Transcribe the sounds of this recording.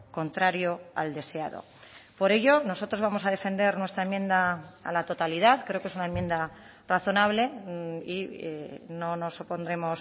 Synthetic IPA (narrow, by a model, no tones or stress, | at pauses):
ko̞nt̪ɾaɾjoa̰ld̪e̞sea̰ðo̞̰ | po̞ɾe̞ʝo̞no̞so̞t̪ɾozβamo̞saðe̞fe̞nd̪e̞ɾnwe̞st̪ɾaemjẽ̞nd̪a̰ːlat̪o̞t̪aliðaðkɾeo̞kesunaemjend̪a | raθo̞naβ̞le̞i | no̞no̞sopo̞nd̪ɾe̞mo̞s